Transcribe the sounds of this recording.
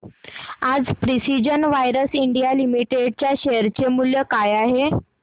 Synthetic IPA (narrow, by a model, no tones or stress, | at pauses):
ad͡zpɾisid͡ʑənʋajɾəsiɳɖijalimiʈeɖ̚t͡ɕjaɕeəɾt͡ɕemuljəkajaɦe